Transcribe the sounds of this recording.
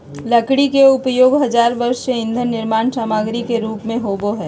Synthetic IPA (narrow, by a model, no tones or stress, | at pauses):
lɐkɽikeʊpjoːɡɦɐzaːɾʋɐɾʃseɪ̃nd̪ʱənːɪɾmaːnsaːmaːɡɾikeɾuːpmẽɦoːboɦɛː